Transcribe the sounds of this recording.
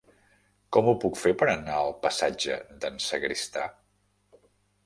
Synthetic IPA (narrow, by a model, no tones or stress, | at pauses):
kɔmupukfepəɾənaəlˠpəsad͡ʒə̰d̪ənsəɣɾist̪a̰